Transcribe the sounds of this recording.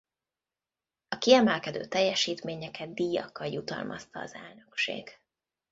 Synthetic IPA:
ɒkiɛmɛlkɛd̪ø̰ːt̪ɛjːɛʃiːt̪meːɲɛkɛd̪ːiːjɒ̰kːɒljut̪ɒ̰lmʔɒst̪ɒːzɛlnø̞kʃḛːɡ̥

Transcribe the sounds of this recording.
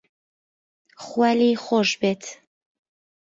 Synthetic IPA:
χwæliχɔʃbɛt̪ʰ

